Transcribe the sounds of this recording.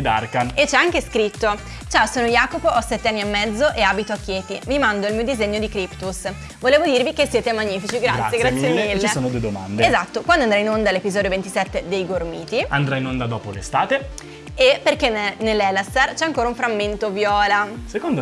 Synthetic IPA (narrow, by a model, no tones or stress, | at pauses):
d̪arkaet͡ʃːɛaŋkeskɾit̪ːo | t͡ʃaːosoːnojaːkopoʔɔsɛt̪ːeanːiamːɛd̪zːoʔeaːbit̪oakːjeːt̪imimand̪oilmiːod̪izeɲːod̪ikɾipt̪us | voleːvod̪irvikesːjɛːt̪emaɲːiːfit͡ʃiɡɾatsːjeɡɾat̪sːjemilːt͡ʃiesoːnod̪ued̪oma̰nd̪eezat̪ːokwand̪oand̪ɾainond̪alepizɔːd̪jovent̪isɛt̪ːed̪ejɡormiːt̪iand̪ɾainond̪ad̪ɔːpolḛst̪aːt̪e | eperkenenelːɛlast̪ert͡ʃɛaŋkoːɾaũɱfɾamːent̪ovjɔːlasekond̪o